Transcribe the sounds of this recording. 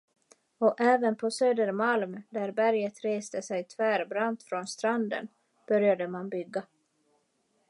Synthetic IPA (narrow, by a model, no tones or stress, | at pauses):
ɔʔɛːvənpʰɔsøːd̪əɾmalmd̪æɾbæɾjət̪ɾeːst̪əsɛjt̪ʰvæːɾbɾant̪fɾɔnst̪ɾand̪ə̰n | b̥œɾjad̪əmanbʏɡːa